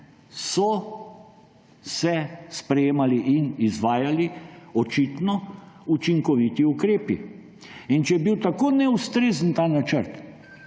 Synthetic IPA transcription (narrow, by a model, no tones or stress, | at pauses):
sɔ | sɛspɾɛjeːmaliʔinizʋaːjaliɔt͡ʃit̪nɔut͡ʃiŋkɔʋit̪iukɾeːpḭ | int͡ʃɛjɛbiwt̪akoːnɛust̪ɾeːzənt̪aːnat͡ʃəɾt̪